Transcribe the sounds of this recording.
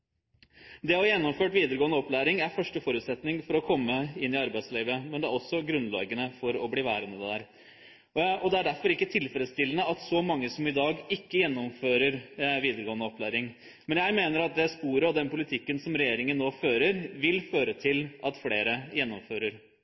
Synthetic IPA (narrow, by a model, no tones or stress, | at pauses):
d̪ɛɔjɛnːɔmføːʈʋiːd̪əɾəɡoːənəɔplæːɾɪŋæɾfœʂʈəfɔɾʉːt̪sɛt̪nɪŋfɔɾɔkʰɔmːəɪnːɪɑɾbæɪsliːʋəmɛnd̪ɛæɾɔsːɔɡɾʉnlɑ̰ːɡənəfɔɾɔbliːʋæːɾənəd̪ɛd̪æːɾ | ɔd̪ɛæɖæɾfɔɾɪkːət̪ʰɪlfɾəd̪st̪ɪlənəɑt̪sɔmɑŋːəsɔmɪd̪ɑːɡɪkːəjɛnːɔmføːɾəɾʋiːd̪əɾəɡoːənəɔplæːɾɪŋ | mɛnjæɪmeːnəɾɑt̪̚d̪ɛspuːɾəɔd̪ɛnpʊlɪt̪ʰɪkːənsɔmɾɛjeːɾɪŋənːoːføːɾəɾʋɪlføːɾət̪ʰɪlʔɑt̪fleːɾəjɛnːɔmføːɾəɾ